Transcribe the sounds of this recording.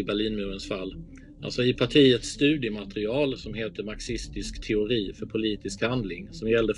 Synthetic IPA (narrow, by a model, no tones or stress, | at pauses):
ɪbæɭiːnmʉːɾənsfalː | ʔa̰lsɔɪpʰaʈʰiːət̪sːt̪ʉ̟ːd̪ɪəmat̪ɾɪɑːlsɔmɦeːt̪əɾmaɾksɪst̪ɪskt̪ʰɛʊɾiːfœɾpʰʊliːt̪ɪskhand̪lɪŋsɔmjɛld̪ə